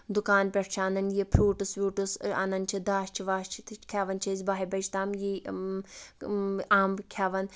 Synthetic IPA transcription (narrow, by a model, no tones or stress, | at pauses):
d̪ʊkaːnpʲɐʈt͡ʃʰaːnɐnjepʰɾuːʈusʋʲuːʈusɐ̰nɐnʲt͡ʃʰid̪aːʃt͡ʃʰiʋaːʃt͡ʃʰit̪ʰkʰʲaːʋɐnt͡ʃʰɐzʲbaːɦibɐd͡ʒt̪aːmji | aːmkʲʰaːʋɐn